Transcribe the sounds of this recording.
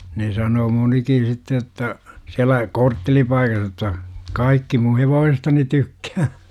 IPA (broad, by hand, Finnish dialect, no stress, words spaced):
ne sɑnoː monikin̞ sitːe jotːɑ siælæ kortːelipɑikɑh jotːɑ kɑikːi mun̞ heʋoːsestɑni tykːæː